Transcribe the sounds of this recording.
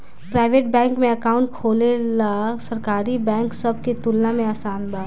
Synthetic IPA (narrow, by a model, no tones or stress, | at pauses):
pɾaːɪʋeːʈbɛ̃ːŋkmẽɐkaːʊ̃ɳʈ̚kʰoːlelasɐɾkaːɾibɛ̃ːŋksɐbʱket̪ʊlːamẽaːsaːnbaː